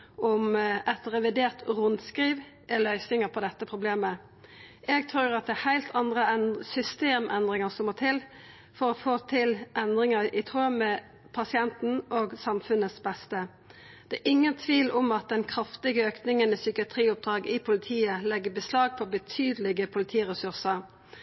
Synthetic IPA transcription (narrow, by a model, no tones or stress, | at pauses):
ʔɔmʔɛt̪ʁɛʋɪd̪eːʁt̪ʁʊnskɾiːʋ | ɛlœʏsnɪŋəpʰɔd̪ɛt̪ːəpʰʁʊbleːmə | ʔɛɡt̪ʰɾʉːɾɑt̪̚d̪ɛːhæɪlt̪ʰɑnd̪ʁəɛnsʏst̪eːmʔɛnd̪ʁɪŋəsɔmːoːt̪ʰɪl | fɔɾɔfoːt̪ʰɪlʔɛnd̪ʁɪŋəɪt̪ʰʁuːmɛ | pʰɑsɪɛnt̪n̩oːɡsɑmfʉnəsbɛst̪ə | d̪̥ɛæʔɪŋːənt̪ʰʋiːlʔʊmɑt̪̚d̪ɛnkʰɾɑft̪ɪɡəøːknɪŋənəsʏkɪɑt̪ʰʁiːʊp̚d̪ʁɑːɡɪpʰʊlɪt̪ʰiːəlɛɡːəbəslɑːɡ̚pʰɔbət̪ʰyːd̪əlɪɡəpʰʊlɪt̪ʰiːʁɛsʉʁsə